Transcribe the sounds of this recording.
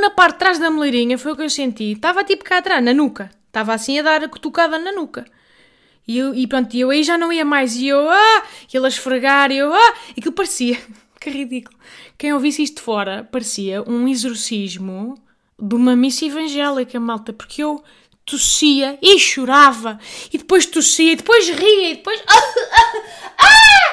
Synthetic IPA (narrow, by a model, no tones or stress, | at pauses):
nɐpaɾt̪t̪ːɾaʒðɐmulˠeɾiɲɐfojukewsẽnt̪it̪avat̪ipu̥kaɐt̪ɾaʒnɐnukɐ | t̪avasĩɐðaɾɐku̥t̪ukaðɐnɐnukɐ | iewipɾõnt̪iewɐiʒanɐ̃w̃iɐmajziewaelˠɐʃfɾɨɣaɾiewaɐkilˠpɐɾsiɐ | kɛʁiðikulˠukɐ̃j̃ovisiʃt̪̚ðfɔɾɐpɐɾsiɐʔũizuɾsiʒmu | ðumɐmisɐivɐ̃ʒɛlˠikɐmalˠt̪ɐpuɾkʰew | t̪usiɐeʃuɾavɐiðɨpojʃt̪usiɐiðɨpojʒʁiɐiðɨpojʃa | a